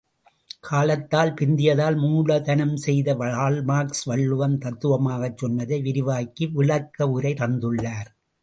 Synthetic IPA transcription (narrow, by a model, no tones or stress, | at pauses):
kʰaːlɐt̪ːaːlpɪnd̪ɪjɐðaːlmuːɭɐt̪ɐnɐmsɛjðɐʋɐaːlmaːksʋɐɭːɯʋɐnt̪ɐt̪ːɯʋɐmaːɣɐt͡ʃːɔnʋɐðɐɪʋɪɾɪʋaːkːiɪɭɐkːɐʊɾɐɪt̪ɐnd̪ɯɭːaːɾ